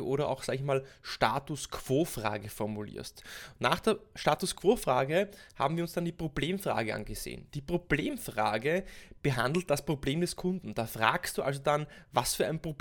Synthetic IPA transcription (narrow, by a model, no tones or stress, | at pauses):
ʔoːɾɐʔa̰ʊxsaːɡəçmaːlʃtaːtʊskʰv̥oːfʁa̰ːɡəfɔɐmulḭːɐstnaːχd̥eːɐʃtaːtʊskʰv̥oːfʁaːɡəha̰ːbm̩viːɐʊnsd̥andiːpʁ̥obleːmfʁ̥a̰ːɡəʔa̰nɡəz̥ḛːnd̥iːpʁ̥ob̥leːmfʁaːɡəb̥əɦa̰ndl̩t̚d̥aspʁ̥obleːmdɛskʰʊndn̩d̥aːfʁa̰ːkst̚d̥uːʔa̰lzodanvasfyːɐʔæɪnpʁ̥ob